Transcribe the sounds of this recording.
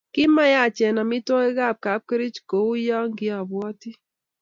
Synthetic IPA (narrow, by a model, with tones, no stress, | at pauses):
kɪ˦ma˦ja˦˨t͡ʃɛ˨na˨mɪ˦tɔ˦e˦ɣa˦˨p̚ka˨˦p̚ke˦ɾi˦t͡ʃko˨u˦ja˦ŋɡɪ˦a˨bwɔ˦ti˦